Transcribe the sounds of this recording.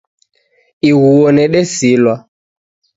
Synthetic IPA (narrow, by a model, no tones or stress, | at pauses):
iɣuɔnɛɗɛsilwa